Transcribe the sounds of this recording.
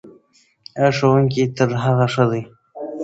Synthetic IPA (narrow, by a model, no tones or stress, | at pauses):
aʂowuŋk̬it̪əɾɦaɣaʂəd̪əj